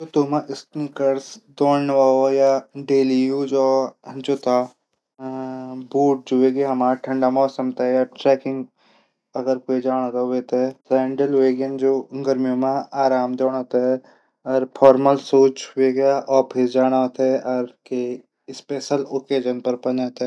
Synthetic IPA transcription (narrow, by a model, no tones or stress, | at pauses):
t̪ot̪omãʔɪst̪nikəɾsd̪oːɽnʋaojaɖeːlijud͡ʒod͡ʒoːt̪ʰa | buːʈ̚d͡ʒoʋeɡjɦɐmaːɾʈʰɐ̃ɳɖamɔːsəmt̪aɦɛjaʈɾɛːkɪ̃ŋɡ | ɐɡəɾkoːid͡ʒaːɽ̃at̪aʋeːt̪ɦɛsãːɳɖəlʋeːɡənd͡ʒoːɡəɾmijomãaːɾaːmd̪oːɽ̃oːt̪aɦɛ | ɔːɾpʰɔːɾməlsoːt͡ʃeɡjaʔɔːɾpʰɪɾd͡ʒaːɽ̃at̪ɛʔɔːɾke | ɪspeːʃəloːkeːd͡ʒənpɐɾpɐnaːt̪ː